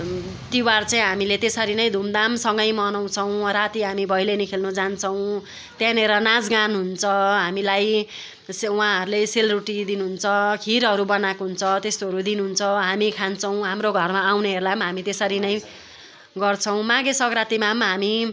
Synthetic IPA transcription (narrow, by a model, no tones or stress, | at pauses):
t̪iwart͡saĩɦamilet̪esʌɾinʌj̃d̪ʱumd̪amsʌŋɡʌjmʌnaw̃t͡sʰʌw̃rat̪iɦamibʱʌjlenikʰelnud͡zant͡sʰʌw̃ | t̪janeɾʌnad͡zɡanɦunt͡sʰʌɦamilaj | swãɦʌɾuleselruʈid̪inuɦunt͡sʰʌkʰiɾɦʌɾubʌnakɦunt͡sʰʌt̪est̪oɦʌɾud̪inuɦunt͡sʰʌɦamikʰant͡sʰʌw̃ɦamroɡʱʌrmaːwneʌɾulamɦamit̪esʌɾinʌj | ɡʌrt͡sʰʌw̃mãɡesʌkɾat̪imamɦami